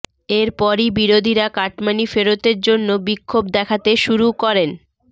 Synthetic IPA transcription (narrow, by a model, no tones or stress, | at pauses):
eɾpɔɾibiɾod̪ʱiɾakaʈmanifeɾot̪eɾd͡ʑonːobikʰːobd̪ɛkʰat̪eʃuɾukɔɾen